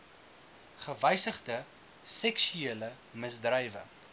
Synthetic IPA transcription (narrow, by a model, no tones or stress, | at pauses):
χəvɛjsəχdə | sɛksyeːlə | məsdrəjvə̰